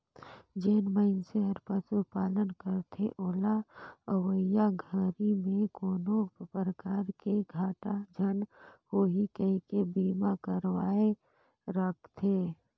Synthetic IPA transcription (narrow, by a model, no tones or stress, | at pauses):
d͡ʒeːnməɪnseəɾpəsupaːlənkəɾt̪ʰeʔoːlaəwəjaɡʱəɾimẽkoːnopɾəkaːɾkeɡʱaːʈad͡ʒʱənhoːɦikəikebiːmakəɾwaːe | ɾəkʰt̪ʰeː